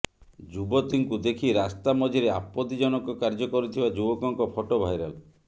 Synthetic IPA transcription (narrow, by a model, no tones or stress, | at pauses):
d͡ʒubɔt̪iŋkud̪ekʰiɾast̪amɔd͡ʒiɾeapːɔt̪id͡ʒɔnɔkɔkaɾd͡ʒɔkɔɾit̪ʰibad͡ʒubɔkɔŋkɔpʰɔʈobʱajɾa̰l